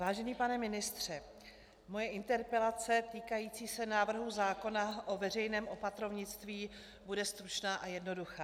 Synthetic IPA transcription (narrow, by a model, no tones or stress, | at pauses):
vaːʒɛɲiːpanɛmɪnɪst̪r̝̥ɛ | mo̞jɛʔɪnt̪ɛɾpɛlat͡sɛt̪iːkajiːt͡siːsɛnaːvr̩ɦuzaːko̞naʔo̞vɛr̝ɛjnɛːmʔo̞pat̪ɾovɲɪt͡st̪viː | budɛst̪ɾut͡ʃnaːʔajɛdno̞duxaː